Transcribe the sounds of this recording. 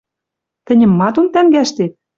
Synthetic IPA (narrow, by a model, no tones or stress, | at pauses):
t̪ɘ̆nʲɘ̆mːɑt̪ont̪æŋɡæʃt̪et̪̚